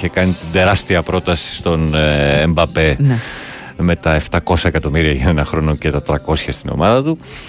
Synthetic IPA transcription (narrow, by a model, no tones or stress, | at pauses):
çekɐnit̪ind̪e̞ɾɐst̪iɐpɾo̞t̪ɐsi̥st̪o̞nembɐpe̞n | me̞t̪ɐe̞ft̪ɐko̞sɐe̞kɐt̪o̞miɾiɐʝɐenɐxɾo̞no̞cet̪ɐt̪ɾɐko̞sçɐst̪ino̞̰mɐðɐt̪u